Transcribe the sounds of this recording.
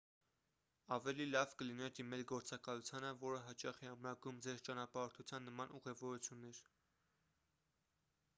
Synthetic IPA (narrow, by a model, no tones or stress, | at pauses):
ɑvɛlilɑvkəlinɛɾd̪imɛlɡɔɾt͡sɑkɑlut͡sʰjɑnəvɔɾəɦɑt͡ʃɑχɛɑmɾɑɡumd͡zɛɾt͡ʃɑnɑpɑɾt̪ʰut͡sʰjɑnːəmɑnʔuʁɛvɔɾut͡sʰjunːɛɾ